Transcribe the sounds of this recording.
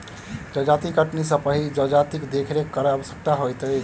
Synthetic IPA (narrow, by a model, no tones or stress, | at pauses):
d͡ʒəd͡ʒat̪ikəʈnisəpəɦid͡ʒəd͡ʒat̪ikd̪ekʰɾekːəɾəəbəsjək̚t̪aɦojt̪əj